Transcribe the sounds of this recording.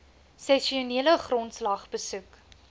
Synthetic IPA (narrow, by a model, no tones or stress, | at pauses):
sɛʃiuniələχrɔntslɐχbəsʉk